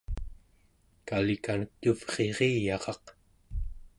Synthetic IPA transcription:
kalikanəkːuvʁ̥e̞ʁejɑʁɑq

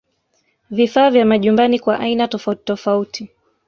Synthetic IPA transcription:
vifaːvjamaʄumbanikwaʔainatɔfatɔfautʰi

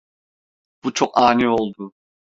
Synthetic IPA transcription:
b̥ut͡ʃʰokaːniolˠd̪u

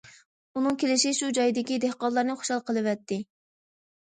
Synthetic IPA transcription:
unɨŋkʲelɪʃɪʃud͡ʒɑjid̪ɪkʲid̪ɛhqɑllˠɑɾnɨχo̥ʃɑlˠqʰəlˠɨvɛt̪ːɪ

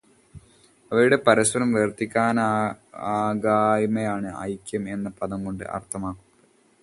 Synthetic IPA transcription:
ɐʋɐɾuɽe̞pɐɾɐswɐɾɐmʋert̪ikʲːaːnaːɡaːjmɐjaːɳɨɐ̰jkːjɐme̞nːɐpɐðɐmko̞ɳɖɨ̰ʔɐ̰rt̪ʰɐmaːkːunːɐɐð

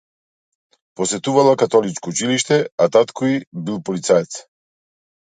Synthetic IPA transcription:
pɔsɛt̪uvalˠakat̪ɔlit͡ʃkɔut͡ʃiliʃt̪ɛat̪at̪kʰɔibilˠpɔlit̪saɛt̪s

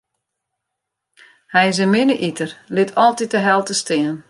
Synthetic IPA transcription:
hɛjɪs̬ənmɪnəʔitərlɪtʰɔlˠtit̚dəɦɛlˠtəstɪən

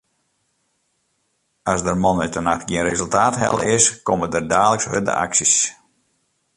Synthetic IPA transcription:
asdərmɔnɛtənaxtɡiənrezɵlˠtaːtɦɛ̰lˠɪskɔmədərdaːləkshø̰də̰ʔa̰ksis

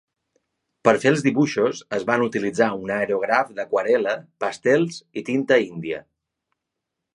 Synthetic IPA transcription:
pəɾfelˠzðiβuʃusəzβanut̪ilid͡zaunaɾoɣɾafd̪əkwəɾɛləpəst̪ɛlˠzit̪int̪əind̪iə̰

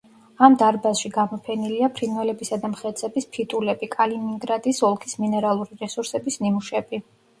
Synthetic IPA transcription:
amd̪aɾbasʃiɡamɔpʰɛniliapʰɾinvɛlɛbisad̪amχɛt̪sʰɛbispʰit̪ʼulɛbikʼalimiŋɡɾad̪isɔlˠkʰisminɛɾalˠuɾiɾɛsuɾsɛbisnimuʃɛbi

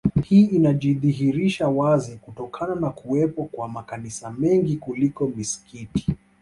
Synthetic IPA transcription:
hiːinaʄiðiɦiɾiʃawazikutɔkʰananakuɛpɔkwamakanisamɛŋɡikulikɔmisi̥kʰiti̥

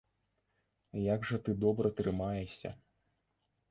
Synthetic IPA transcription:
jaɡʐɐt̪ɨd̪ɔbɾɐt̪ɾɨmajɛsʲɐ̰

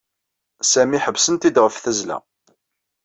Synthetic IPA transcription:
sæmiħəvsənt̪id̪ʁəfθæzlæ̰

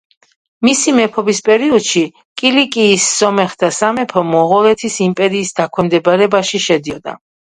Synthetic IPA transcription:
misimɛpʰɔbispʼɛɾiɔd̪̥ʃi | kʼilikʼiːsːɔmɛχd̪asamɛpʰɔmɔʁɔlɛt̪ʰisimpʼɛɾiːsd̪̥akʰwɛmd̪ɛbaɾɛbaʃiʃɛd̪iɔd̪a̰

